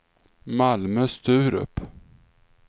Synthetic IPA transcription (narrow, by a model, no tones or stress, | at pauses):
malmœːst̪ʰʉ̟ːɾɵ̰pː